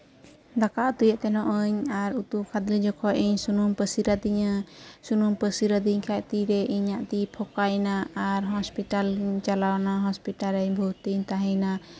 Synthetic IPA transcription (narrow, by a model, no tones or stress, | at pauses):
d̪akaʔt̪ujaʔt̪ɛnɔʔəɲaɾut̪ukʰad̪lid͡ʒɔkʰɔʔiɲsunumpəsiɾad̪iɲasunumpəsiɾad̪iɲkʰajt̪iɾɛʔiɲaʔt̪ipʰɔkajnaaɾɦɔspiʈalɲt͡ʃalawnaɦɔspiʈaɾɛɲbʱut̪iɲt̪aɦəɲna